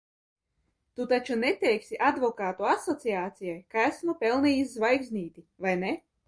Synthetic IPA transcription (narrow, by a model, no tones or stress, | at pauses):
t̪ut̪at͡ʃunet̪ɛjksʲiʔad̪vɔkaːt̪uasɔt̪siaːt̪sijajkæsmupɛlˠnijizvajɡzniːt̪ʲivajne